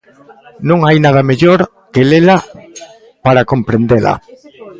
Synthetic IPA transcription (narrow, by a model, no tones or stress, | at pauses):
nõŋajnað̞ameʎoɾ | kelela | paɾakõmpɾend̪ela̰